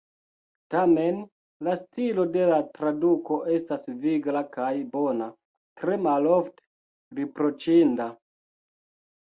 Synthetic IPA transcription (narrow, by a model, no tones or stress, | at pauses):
tame̞n | lastilo̞de̞latɾaduko̞ʔe̞stasviɡlakajbo̞na | tɾe̞malofte̥ | ɾipɾo̞t͡ʃinda